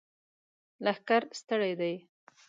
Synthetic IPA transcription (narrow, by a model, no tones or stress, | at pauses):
lahkaɾst̪əɽajd̪aj